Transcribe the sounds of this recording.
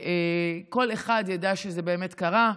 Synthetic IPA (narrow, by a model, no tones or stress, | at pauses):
ʔeko̞leχadjadaʃezebe̞ːme̞tkaʁa